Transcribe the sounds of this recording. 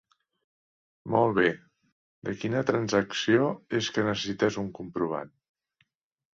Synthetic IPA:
molˠβ̞e | d̪əkinət̪ɾənzəksioeskənəsəsit̪ɛzuŋkumpɾuβ̞a̰n

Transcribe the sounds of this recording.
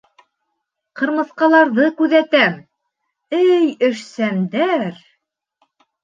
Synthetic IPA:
qɤ̆ɾmɤ̆θqɑlˠɑɾðɤkʉðæt̪æm | ɘjɘ̆ʃsæmd̪æɾ

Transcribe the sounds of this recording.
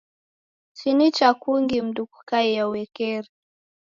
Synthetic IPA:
t͡ʃinit͡ʃakuŋɡim̩ɗukukaijauwɛkɛɾi

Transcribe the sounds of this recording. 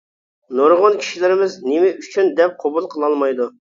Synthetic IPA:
noɾʁonkʲʰi̥ʃilɪɾɪmɪznɪmɪyt͡ʃʰynd̪ɛp̚qʰobulˠqʰəlˠɑlˠmɑjd̪u

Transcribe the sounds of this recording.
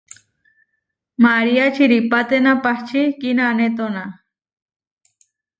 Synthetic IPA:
maɾiat͡ʃʰiɾipat̪enapaht͡ʃʰikinaːnet̪ona

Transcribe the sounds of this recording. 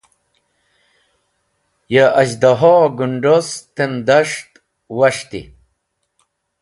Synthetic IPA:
jaɐd͡ʑd̪aɦoɡuɳɖost̪end̪aʂt̪ | wɐʂt̪ḭ

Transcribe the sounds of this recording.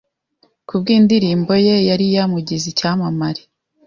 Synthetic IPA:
kub̚ɡiːndiɾiːmbo̞je̞jaɾijamuɟizicaːmamaɾi

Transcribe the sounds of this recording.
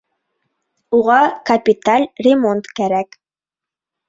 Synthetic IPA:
uʁɑkɐpʲit̪alʲrʲɪmo̞nt̪kæɾæk

